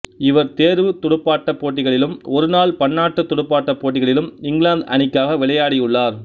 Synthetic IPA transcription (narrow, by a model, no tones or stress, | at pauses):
ɪʋɐɾt̪eːɾʋɯt̪ʊɽɯpːaːʈːɐpːoːʈːɪɣɐɭɪlɯmɔɾɯnaːlpɐɳːaːʈːɯt̪ːʊɽɯpːaːʈːɐpːoːʈːɪɣɐɭɪlɯmɪŋɡɭaːnd̪ɐnɪkːaːɣɐʋɪɭɐjaːɽɪjɯɭːaːɾ